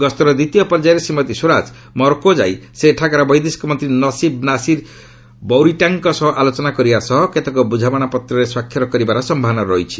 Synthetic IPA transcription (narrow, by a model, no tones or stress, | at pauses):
ɡɔst̪ɔɾɔd̪it̪ijɔpɔɾd͡ʒajɾesimːɔt̪isoɾad͡ʒ | mɔɾkod͡ʒa̰jseːʈʰakaɾɔbɔjd̪iskɔmɔnt̪ɾinɔsibnasiɾ | bɔwɾiʈaŋkɔsɔɦɔʔalot͡ʃɔnakɔɾibasɔɦɔket̪ɔkɔbud͡ʒʱabaɽ̃apɔt̪ɾɔɾeswakʰːjɔɾɔkɔɾibaɾɔsɔmbʱɔɦanɔɾɔɦit͡ʃʰi̥